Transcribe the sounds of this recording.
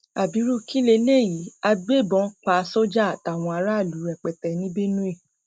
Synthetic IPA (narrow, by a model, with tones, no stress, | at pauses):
a˨bi˨˦ɾu˦ki˦le˧˦le˦˨ji˨˦a˧ɡ͡be˦˨bɔ̃˨˦k͡pa˨˦so˦d͡ʒa˦a˨ta˨w̃ɔ̃˧a˧ɾa˦˨lu˨˦ɾɛ˨k͡pɛ˨tɛ˨nĩ˦be˦nũ˦e˦˨